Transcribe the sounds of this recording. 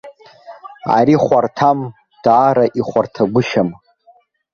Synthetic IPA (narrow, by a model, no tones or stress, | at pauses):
a̰ɾiχʷartʰam | d̥aːɾaʔiχʷartʰaɡʷʊʃam